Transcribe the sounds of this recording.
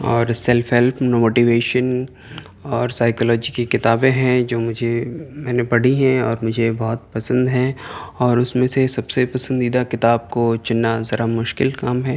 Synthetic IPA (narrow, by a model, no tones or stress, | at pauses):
ɔːɾsɛlfɦɛlpʰnomoːʈiʋeːʃən | ɔːɾsaːɪkɔlɔːd͡ʒikekɪt̪aːbẽɦɛ̃d͡ʒoːmʊd͡ʒʱemɛ̃ːnebɐɽ̤iɦɛ̃ɔːɾmʊd͡ʒʱebɔːʊt̪̚pɐsə̃nd̪ɦɛ̃ɔːɾʊsmẽsesɐbsepɐsə̃nd̪iːd̪akɪt̪aːb̚kot͡ʃɪnːazɐɾamʊʃkɪlkaːmɦɛː